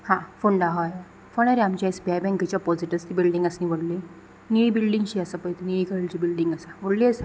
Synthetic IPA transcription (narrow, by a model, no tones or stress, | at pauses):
hãfoɳɖaɦɔj | fəɽ̃aɾeamt͡ɕajsbajbɛ̃ŋkət͡ɕjapɔd͡ziʈəst̪ibilɖiŋɡəsniʋəɽle | niibilɖiŋɡɕiəsapəjt̪niikəɾlt͡ɕibilɖiŋɡəsaʋəɽliəsa